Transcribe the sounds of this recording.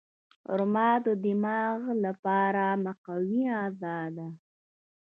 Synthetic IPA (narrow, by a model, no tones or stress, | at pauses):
ʊ̰ɾmɑd̪əd̪ɪmɑɣlapɑɾamaqawiɑzɑd̪a